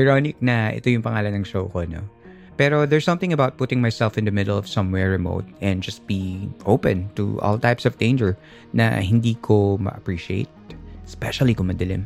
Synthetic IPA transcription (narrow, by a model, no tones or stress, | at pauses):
ʔajɹonɪk̚nɐʔɛ̰t̪ojʊŋpɐŋaːlɐnnɐŋʃowkoɐno̰ | pɛɾo̞ðɛɹsʌ̃mθɪ̃ŋɐbawt̪̚pʊt̪ɪ̃ŋmajsɛlfɪ̃nd̪ɐmɪd̪əlɔv̥sʌ̃mwɛɹɹɛmo̰ʊt̪̚ʔɛ̃nd̚d͡ʒɐst̪̚b̥iʔo̰wpɛ̃nt̪ṵʔɔ̰lˠt̪ajpsɔvd̪ẽɪ̃nd͡ʒɛɹ | nɐ̰hɪnd̪iːkʰomɐ̰ʔɐpɹiʃiḛɪt̪̚spɛʃɐlˠikʊŋmɐd̪ɐlɪ̰m